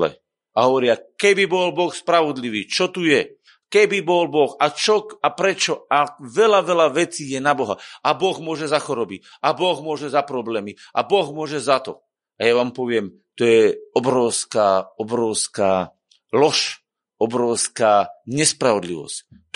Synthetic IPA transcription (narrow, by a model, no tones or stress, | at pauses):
ɛ̰ | aɦɔʋɔɾɪakɛbibɔlbɔxspɾaʋɔd̪liʋiːt͡ʃɔt̪ujɛ | kɛbibɔlbɔxat͡ʃɔapɾɛt͡ʃɔaʋɛlaʋɛlaʋɛt͡siːjɛnabɔɦaabɔɣmʊɔʒɛzaxɔɾɔbi | abɔɣmʊɔʒɛzapɾɔblɛːmiʔabɔɣmʊɔʒɛzat̪ɔ | ajaʋaːmpɔʋɪɛm | t̪ɔjɛɔbɾɔʊskaːɔbɾɔʊskaː | lɔʃ | ɔbɾɔʊskaːɲɛspɾaʋɔd̪lḭʋɔ̰sc